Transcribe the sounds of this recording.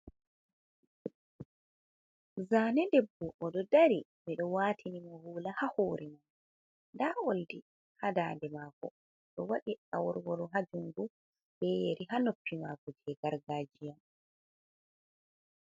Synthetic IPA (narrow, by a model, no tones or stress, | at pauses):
zaːnɛdɛbːɔʔːɗɔdaɾimiɗɔwaːtʰinimɔhuːlahahoːɾiman | ndaoldi | hadaːndɛmaːkɔ̰ | ɗɔwaɗiawɔɾwɔɾɔɦad͡ʒuŋɡu | bɛjeɾʔiɦanopːimaːɡɔd͡ʒɛɡaɾɡaːd͡ʒijam